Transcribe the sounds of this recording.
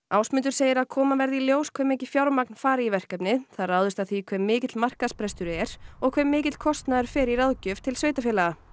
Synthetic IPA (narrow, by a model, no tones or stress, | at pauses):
aːwsmʏnt̪̬ʏɾ̥seːjɪɾaðkʰɔːmavɛɾðiljoːwskʰvɛmehcɪfjawɾmak̚nfaːɾɪivɛr̥kapnɪθaðɾraːwðʏst̪aθikʰv̥ɛmːɪːcɪt̪lmar̥kaðspɾɛst̪ʏɾʏɛɾɔɣkʰvɛmːɪːcɪt̪l̥kʰɔst̪naðɛɾ̥fɛːɾiɾaðcʏv̥t̪ʰɪlsveːjt̪afɪːlaɣa